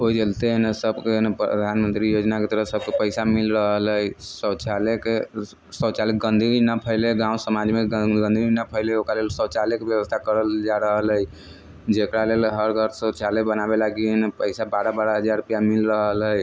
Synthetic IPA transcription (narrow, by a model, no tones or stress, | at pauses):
oid͡ʒəlt̪enesəbkenepɾə̰d̪ʱanmənt̪ɾijod͡ʒnaket̪əɾəsəb̚kepəɪsamilɾəɦələjsət͡ʃʰaleke | səwt͡ʃalik̚ɡənd̪ʱiinəpʰəɪleɡãũsəmad͡ʒmeəɡə̃nd̪ʱiinəpʰəɪleokalelsəwt͡ʃalekebjəwəst̪ʰakəɾəld͡ʒaɾəɦələi | d͡ʒekɾalelɦəɾɡʱəɾsət͡ʃʰalebənabelaɡinepəɪsabaɾəbaɾəɦəd͡ʒaɾupjamilɾəɦəlɦəj